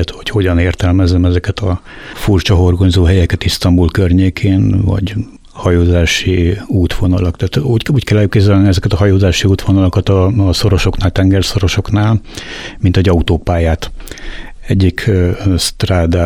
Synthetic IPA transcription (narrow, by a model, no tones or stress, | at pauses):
t̪ho̞cho̞ɟɒneːrt̪ɛlmɛzːɛmɛzɛkɛt̪ɒfurt͡ʃɒɦo̞rɡoɲzoːɦɛjɛkɛt̪ist̪ɒmbulkørɲeːkʰeːnvɒ̰ɟ | hɒjoːzaːʃiuːt̪ʋo̞nɒlɒkt̪aːt̪uːcuːckɛlːɛjukːezɛlniɛzɛkɛt̪ɒɦɒjoːzaːʃiuːt̪ʋonɒlokɒt̪ɒso̞ɾo̞ʃo̞knaːlt̪ɛŋɡɛrso̞ɾo̞ʃo̞knaːlmint̪hɛɟɒut̪oːpaːjaːt̪ | ɛɟːikst̪raːd̪aː